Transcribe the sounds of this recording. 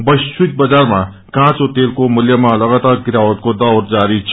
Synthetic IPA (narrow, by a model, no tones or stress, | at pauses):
bʌjswik̚bəd͡zaɾma | kãt͡sot̪elkomʊljəmalʌɡat̪aɾɡiɾawət̪̚kod̪ʌwɾd͡zaɾit͡ʃʰ